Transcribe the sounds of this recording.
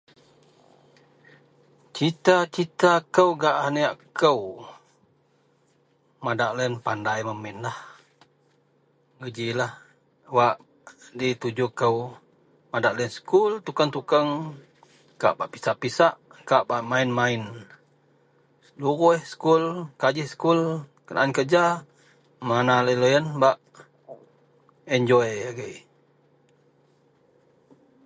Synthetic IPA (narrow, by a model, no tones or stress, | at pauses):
t͡ʃit̪at͡ʃit̪akəwɡaʔaniaʔkəw | madaʔlɛnpandajməminlah | ŋəd͡ʒilah | waʔ | dit̪ud͡ʒʊkəw | madaʔlɛnskult̪ukaŋt̪ukəŋ | ka̰ʔbaʔpi̥saʔpisaʔ | kaʔbaʔmainmain | səluɾuhsə̥kulkad͡ʒɪskulkənʔa̰nkəd͡ʒa | manaləjlojənbaʔ | ɛɲd͡ʒɔjaɡəj